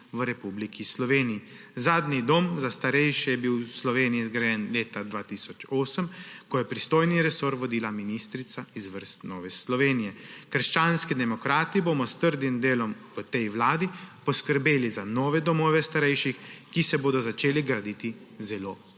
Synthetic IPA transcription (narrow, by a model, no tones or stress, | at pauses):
ʋəɾɛpublikʰislɔʋeːniji | zaːd̪nid̪oːmzast̪aɾɛjʃɛjɛbiwslɔʋeːnijɛizɡɾajɛnleːt̪ad̪ʋaːt̪isɔt͡ʃoːsəmkɔjɛpɾist̪oːjniɾɛsoɾʋɔd̪iːlaminist̪ɾit̪saizʋəɾst̪nɔːʋɛslɔʋeːnijɛkəɾʃt͡ʃaːnskid̪ɛmɔkɾaːt̪iboːmɔst̪əɾd̪imd̪eːlɔmʋət̪ɛjʋlaːd̪ipɔskəɾbeːlizanɔːʋɛd̪ɔmɔːʋɛst̪aɾɛjʃixkisɛboːd̪ɔzat͡ʃeːliɡɾad̪iːt̪i | zɛloː